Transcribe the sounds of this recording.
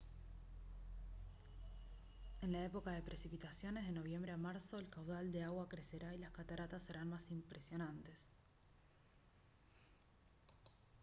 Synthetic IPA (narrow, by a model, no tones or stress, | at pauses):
e̞nlaepo̞kaðe̞pɾʔesipit̪asjo̞nezð̞e̞no̞β̞je̞mbɾeamaɾso̞elkawðald̪e̞aɣwakɾeseɾailaskat̪aɾat̪asːe̞ɾanmasimpɾesjo̞nant̪e̞s